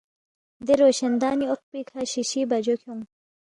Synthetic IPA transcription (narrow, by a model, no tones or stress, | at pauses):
d̪eɾoːɕɐnd̪ɑːnioq̚pikʰaɕiɕibɐd͡ʑokʰoŋ